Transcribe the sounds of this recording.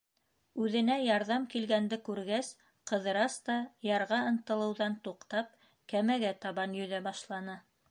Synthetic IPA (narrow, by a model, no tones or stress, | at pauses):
ʉðɘ̆næjɑɾðɑmkilɡænd̪ɘkʉɾɡæs | qɤ̆ðɤ̆ɾɑst̪ɑjɑɾʁɑɤ̆nt̪ɤ̆lˠɤ̆wðɑnt̪uqt̪ɑp̚ | kæmæɡæt̪ɑβɑnjɵ̆ðæbɑʃlˠɑnɤ